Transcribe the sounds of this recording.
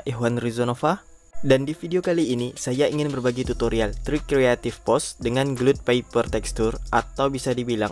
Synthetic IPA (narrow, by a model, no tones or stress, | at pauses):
ʔɛɦwanrizonofa | dandifideokaliːnisajaiŋɪnbərbaɡit̪ut̪oɾialt̪ɾikɾeat̪ɪfpɔsdəŋanɡlut̪̚paipərt̪ɛkst̪urʔat̪awbisadibila̰ŋ